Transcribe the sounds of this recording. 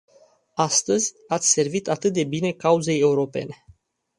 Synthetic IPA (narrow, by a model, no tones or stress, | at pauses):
ast̪əzʲ | at̪sʲse̞rvit̪at̪ɨt̪̚d̪e̞bine̞kauze̞je̞uɾo̞pe̞̰ne̞